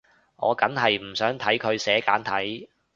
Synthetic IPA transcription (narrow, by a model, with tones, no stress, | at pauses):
ŋɔ̰ː˨˧kɐ˨˥nɦɐ˨jm̩˨˩sœː˨˥ŋt̪ʰɐ˨˥jkʰɵ˨˧ɥsɛː˨˥kaː˨˥nt̪ʰɐ˨˥j